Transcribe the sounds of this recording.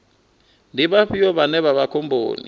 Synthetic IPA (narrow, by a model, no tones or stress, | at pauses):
ndʱiɓaɸijɔɓanɛɓaɓakʰɔmbʱo̰ːnḭ